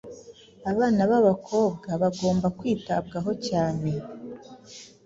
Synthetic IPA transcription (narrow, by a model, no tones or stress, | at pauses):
aβaːnaβaβakʰo̞ːbɡaβaɡo̞ːmbakwiːta̰b̚ɡaɦo̞caːne̞